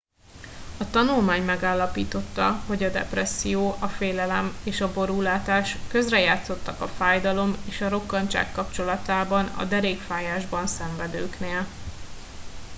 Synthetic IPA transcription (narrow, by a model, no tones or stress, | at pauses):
ɒt̪ɒnulmaːɲmɛɡaːlːɒpiːt̪o̞t̪ːɒ̰ho̞ɟɒd̪ɛ̰prɛsːijoːʔɒfeːlɛlɛmeːʃɒbo̞ɾuːlaːt̪aːʃkø̞zrɛjaːt̪so̞t̪ːɒkɒfaːjd̪ɒlo̞meːʃɒɾo̞kːɒɲt͡ʃa̰ːkːɒpt͡ʃo̞lɒt̪aːbɒnɒ̰d̪ɛɾeːkfaːjaːʒbɒnsɛɱvɛd̪øːkneːl